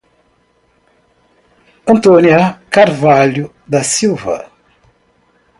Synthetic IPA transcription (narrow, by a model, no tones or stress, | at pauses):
ɐ̃nt̪oniɐkaɾvalu | d̪ɐsiwvɐ̰